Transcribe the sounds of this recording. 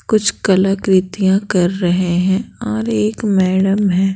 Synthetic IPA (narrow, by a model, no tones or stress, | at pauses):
kʊt͡ʃʰkɐləkɾɪt̪ijãkɐɾːɐɦeɦɛ̃ɔːɾeːkmɛːɽəmɦɛ̃ː